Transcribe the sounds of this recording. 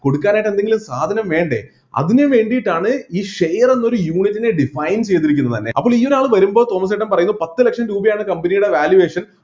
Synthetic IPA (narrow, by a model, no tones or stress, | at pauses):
ko̞ɽukːaːnaːjʈːe̞nd̪eŋɡilumsaːd̪ʱɐnɐmʋe̞ːɳɖḛ | ɐ̰ðineʋe̞ːɳɖijʈːaːɳɨiːʂejɐrenːo̞ɾujuːɳitːine̞ɖifɐjnt͡ɕe̞jt̪̬ːiɾik̬ʲːunːɐt̪ɐnːe̞̰ʔɐ̰pːoːɭiːo̞ɾaːɭɨʋɐɾumbo̞ːt̪oːmɐs̬eʈːɐmpɐrɐjunːɐpɐt̪ːɨlekʂɐmɾuːbɐjaːɳɨkɐmbɐnijuɽe̞ʋaːljuʋe̞ːʂɐn